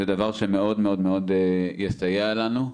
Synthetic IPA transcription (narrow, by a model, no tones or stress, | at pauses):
ved̪avaʁʃemeo̞d̪meo̞d̪meo̞d̪jesajalanu